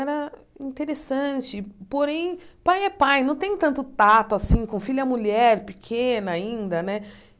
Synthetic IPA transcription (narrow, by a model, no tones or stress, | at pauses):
ɛɾɐ | ĩnt̪eɾesɐ̃t͡ʃɪpoɾẽj̃pajɛpajnɐ̃w̃t̪ẽj̃t̪ɐ̃nt̪ʊt̪at̪ʊasĩkõfiʎɐmuʎɛɾpikʰẽnɐaĩnd̪ɐnɛ